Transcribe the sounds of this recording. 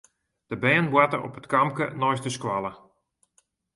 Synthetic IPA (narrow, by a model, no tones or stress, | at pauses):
d̥əbɛːnbwatərɔ̰pətkamkə̰nɔjstəskwalˠə